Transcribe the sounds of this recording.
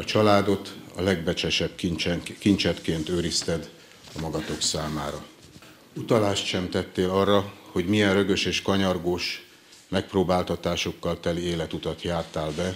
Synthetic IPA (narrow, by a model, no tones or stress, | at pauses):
ɒt͡ʃɒlaːd̪o̞t̪ɒ̰lɛɡbɛt͡ʃɛʃɛbit͡ʃɛkint͡ʃɛt̪keːnt̪øːɾist̪ɛd̪ | ɒmɒɡɒt̪o̞ksaːmaːɾɒ | ut̪ɒlaːʃt̪ʃɛmt̪ɛt̪ːeːlɒrːɒho̞ɟmijɛnrø̞ɡø̞ʃeːʃkɒɲɒrɡoːʃ | mɛk̚proːbaːlt̪ɒt̪aːʃo̞kːɒlt̪ɛlieːlɛt̪ut̪ɒt̪jaːt̪aːlbɛ